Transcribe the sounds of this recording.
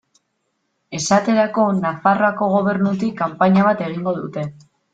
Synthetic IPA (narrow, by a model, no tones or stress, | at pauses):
e̞sat̪e̞ɾako̞nafaroako̞ɣ̞o̞β̞e̞ɾnut̪̬ikːampaɲaβ̞at̪e̞ɣ̞iŋɡo̞ðut̪e̞